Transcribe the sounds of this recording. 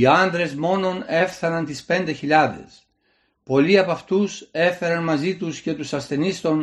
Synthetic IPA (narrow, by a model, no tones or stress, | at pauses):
iɐnd̪ɾe̞zmo̞no̞ne̞fθɐnɐnt̪ispe̞nd̪e̞çiʎɐðe̞̰s | po̞liɐpɐft̪use̞fe̞ɾɐnmɐzit̪usce̞t̪usɐsθe̞nist̪o̞n